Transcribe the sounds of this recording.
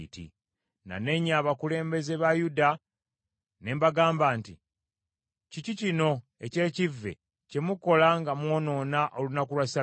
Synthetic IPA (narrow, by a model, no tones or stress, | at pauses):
tḭ | na̰ne̞ɲaːβakule̞ːmbe̞ze̞βajuda | ne̞mbaɡaːmbaːnti | cicicino̞ | e̞ce̞ːcivːe̞̰ | ce̞muko̞laŋɡamwo̞ːno̞ːnaʔo̞lunakulwasa